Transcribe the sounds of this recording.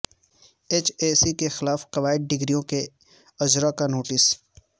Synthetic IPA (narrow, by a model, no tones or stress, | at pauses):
eːt͡ʃeːsikexɪlaːfqɐʋaːɪd̪̚ɖɪɡɾijõke | ɐd͡ʒɾakanoːʈɪs